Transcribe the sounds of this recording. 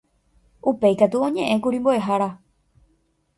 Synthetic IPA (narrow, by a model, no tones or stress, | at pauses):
upe̞jkat̪uõ̞ɲẽ̞ʔẽ̞kuɾĩmboe̞ɦaɾa